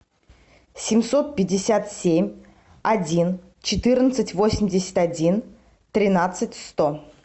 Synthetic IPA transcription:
sʲɪmʲso̞t̪̚pʲɪdʲːɪsʲat̪sʲemʲ | ɐdʲin | t͡ɕɪt̪ɨrnət̪sɨtʲvo̞sʲɪmʲdʲɪsʲɪ̥t̪ʲɐdʲin | t̪ɾʲɪnat̪sɨtʲst̪o

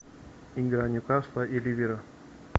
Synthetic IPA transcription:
iŋɡɾaɲukaspaʔiliviɾa

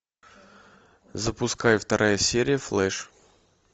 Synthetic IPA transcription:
zəpʊskajft̪ɐɾʔajəsʲeɾʲɪjəflˠɛʂ

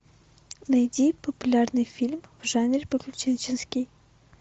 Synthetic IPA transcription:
nɐjd̪ʲipəpʊlʲarnɨjfʲilʲmvʐanʲɪɾʲpəklʲʊt͡ɕɛnt͡ɕɪnskʲij

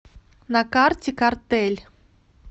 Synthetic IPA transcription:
nakartʲikart̪ɛlʲ

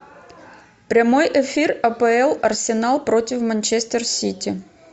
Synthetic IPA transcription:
pɾʲɐmo̞jʔɛfʲirɐpəɛlˠɐrsʲɪnalˠpɾo̞tʲɪfmɐnʲt͡ɕesʲt̪ʲərsʲitʲɪ

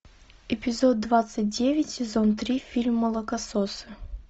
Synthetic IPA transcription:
ɪpʲɪzod̪̚d̪ːvat̪sɨt̚ʲdʲevʲɪtʲsʲɪzont̪ɾʲifʲilʲmːəlˠəkɐsosɨ̥

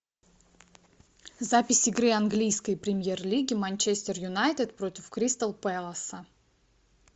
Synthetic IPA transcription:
zapʲɪsʲɪɡɾɨanɡlʲijskəjpɾʲɪmʲjerlʲiɡʲɪmanʲt͡ɕesʲt̪ʲɪrjʊnajt̪ɪt̪pɾo̞tʲɪfkɾʲist̪əlˠpɛlˠəsə

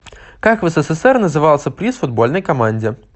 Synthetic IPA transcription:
kakvɛsɛsɛsɛrnəzɨvalˠsʲəpɾʲisfʊd̪̚bo̞lʲnəjkɐmanʲdʲɪ

